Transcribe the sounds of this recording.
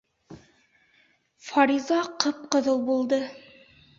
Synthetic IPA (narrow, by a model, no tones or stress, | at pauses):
fɑɾizɑqɤp̚qɤ̆ðɤlˠbulˠd̪ɤ